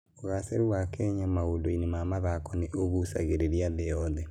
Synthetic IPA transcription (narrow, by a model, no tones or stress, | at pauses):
oɣaseɾuwakɛɲamaodoinemamaðakɔneʔoɣusa̰ɣeɾeɾiaðɛjɔðɛ